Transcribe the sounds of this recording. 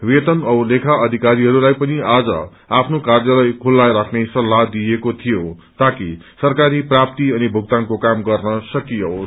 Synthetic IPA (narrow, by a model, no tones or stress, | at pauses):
wet̪ʌnʌwlekʰaʔʌd̪ʱikaɾiɦʌɾulajpʌniad͡zʌ̰ | apʰnokarjʌlʌjkʰulːajɾakʰnesʌlːad̪ijekot̪ʰijot̪akisʌrkaɾiprap̚t̪iʌnibʱuɡ̚t̪ankokamɡʌrnʌsʌkijo